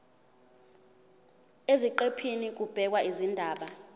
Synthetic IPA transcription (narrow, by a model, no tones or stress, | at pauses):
eziǃepʰinik̬ub̥ʱɛk̬waʔizindʱaːɓa